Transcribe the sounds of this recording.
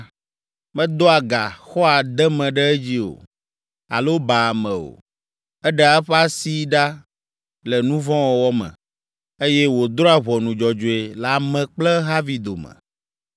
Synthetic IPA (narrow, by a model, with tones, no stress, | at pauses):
mɛ̃˦d̪o˦a˨ɡa̰˨xɔ˦a˨d̪ɛ˦mɛ̃˨ɖɛ˦ɛ˦d͡ʑi˦o̰˨ | a̰˨lo˦ba˨mɛ̃˨o̰˨ | ɛ˦ɖɛ˦˨a˨ɛ˦ɸa˦si˦ɖa˦ | lɛ˨nũ˦vɔ̃˦wɔ˨wɔ˦mɛ̰̃˨ | e˦jɛ˦wo˨d̪ɾɔ˦a˨βɔ˨nũ˨d͡ʒɔ˨d͡ʒo˨e˨la˨mɛ̃˨k͡plɛ˦ɦa˦vi˨d̪o˨mɛ̰̃˨